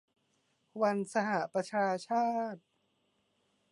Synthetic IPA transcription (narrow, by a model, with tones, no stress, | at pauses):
wa˧nsa˧ha˨˩ʔpɾa˧t͡ɕʰaː˧t͡ɕʰaː˥˩t̪̚